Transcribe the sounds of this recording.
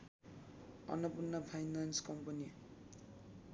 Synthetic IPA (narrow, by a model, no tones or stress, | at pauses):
ʌ̰nʌpunːʌpʰajnanskʌmpʌni